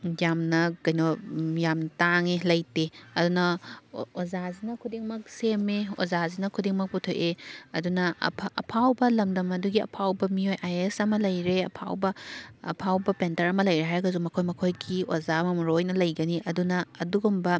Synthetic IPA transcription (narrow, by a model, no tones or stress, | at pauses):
jamnɐkɐjnɔjamtaŋelɐjteɐdunɐ | ozazinɐkʰudiŋmɐk̚semeo̰zazinɐkʰudiŋmɐk̚putʰojʔeɐdunɐ̰ʔɐ̰pʰawbɐlɐmdɐmɐduɡiɐ̰pʰawbɐmiojʔajesɐmɐlɐjɾeɐ̰pʰa̰wbɐ̰ːpʰawbɐpentɐɾɐmɐlɐjɾeɦajɡɐzumːɐkʰojmɐkʰojɡiozamɐmɾojnɐlɐjɡɐniʔɐdunɐɐduɡumbɐ